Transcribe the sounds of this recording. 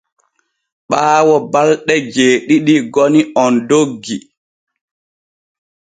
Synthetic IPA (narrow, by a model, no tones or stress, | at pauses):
ɓaːwɔbalɗɛd͡ʒeːɗiɗiɡɔniʔɔndoɡːi